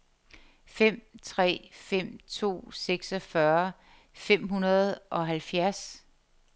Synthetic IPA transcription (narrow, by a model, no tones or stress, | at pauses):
fem̰t͡sʰʁɛ̰ːfem̰t͡sʰo̝̰ːseɡ̥sɒfɶɐ | fem̰ɦunɐð̞ˠʔɒ̽ɦælfjæɐs